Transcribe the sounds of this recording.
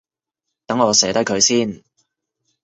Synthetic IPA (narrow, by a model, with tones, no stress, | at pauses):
t̪ɐ˨˥ŋɔː˨˧sɛː˨˥t̪ɐ˥kʰɵ˨˧ɥsiː˥˩n